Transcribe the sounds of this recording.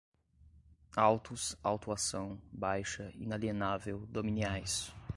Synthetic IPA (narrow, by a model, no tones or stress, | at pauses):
awt̪ʊsawt̪uasɐ̃w̃bajʃɐḭnalienavewd̪omĩniajs